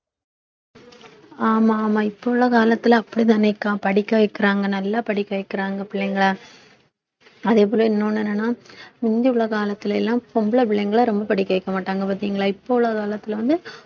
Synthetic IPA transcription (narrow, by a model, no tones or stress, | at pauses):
aːmaːmaːɪpːoːɭːɐkaːlɐt̪ːɪlːpːɐɽit̪ɪnɐɪkːãːpɐɽɪkːɐʋɐɪkːɪɾaːŋɡɐnɐlːaːpɐɽɪkːɐʋɐɪkːɪɾaːŋɡɐpɪɭːɐŋɡɐɭaː | ɐðeːp̬oːɾlɐ̃ɪnːoːnɛnːɐnːaːmɪnd̪iʊɭːɐkaːlɐt̪ːɪlɛlːãːpɔmbɯɭɐpɪɭːɐŋɡɐɭɐɾɔmbɐpɐɽɪkːɐʋɐɪkːɐmaːʈːaːŋɡɐpɐːɾt̪ːiŋɡɐɭaːɪpːoːɭːɐkaːlɐt̪ːɪlɐʋɐnd̪ɯ